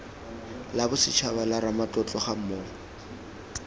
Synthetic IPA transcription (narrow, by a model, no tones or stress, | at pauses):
labʊsɪt͡ʃʰabalaɾamat͡ɬʼɔt͡ɬʼɔχam̩moːŋ